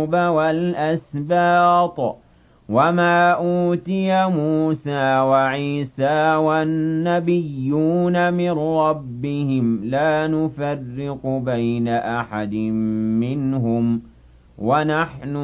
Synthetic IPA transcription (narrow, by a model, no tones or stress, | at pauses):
bawalʔasbɑːt̪ˤ | wamaːʔuːt̪ɪjamuːsaːwaʕiːsaːwannːabɪjːuːnamɪnɾˤɑbːɪhɪmlaːnʊfarːɪqʊbajnaʔaħad̪mːɪnɦʊm | wanaħnʊ